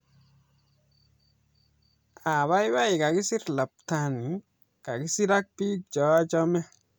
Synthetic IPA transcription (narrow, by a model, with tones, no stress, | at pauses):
a˨ba˦jwa˦i˨ka˨ɡi˦si˦ɾla˨p̚ta˨ni˨ | ka˨ɡi˦si˦ɾa˦k̚pi˦d͡ʒɔ˨˦a˦d͡ʒɔ˦mɛ˦